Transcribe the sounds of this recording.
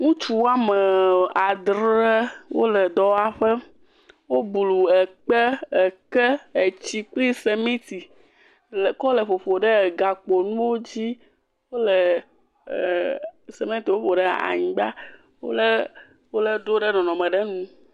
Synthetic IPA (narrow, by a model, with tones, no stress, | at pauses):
ŋũ˦t͡ʃu˦wa˦mə˨a˨d̪ɾe˦wo̰˦lɛ˨d̪ɔ˦a˦ɸə˦ | wo˦blu˨ɛ˨k͡pɛ˦ə˨kə˦e˨t͡ɕi˦k͡pli˦se˨mẽ˦t̪i˨ | lkɔ˦lə˨ɸo˨ɸo˨ɖə˦˨ɡa˨k͡po˨nũ˦wo˦d͡ʑi˦ | wo˦lə˨ | se˨mẽ˦t̪i˨wo˦ɸo˨ɖɛ˦a̰˨ɲĩ˨ɡ͡ba˦ | wo̰˦lə˦ | wo˦lə˦ɖo˦ɖɛ˦nɔ̃˨nɔ̃˨mɛ̃˨ɖɛ˦nũ˦